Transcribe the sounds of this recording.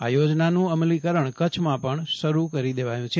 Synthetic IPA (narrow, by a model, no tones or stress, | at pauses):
a̰jod͡ʒnanũəmlikəɾəɳkət͡ʃʰmãpəɳʃəɾukəɾid̪eʋajũt͡ʃʰe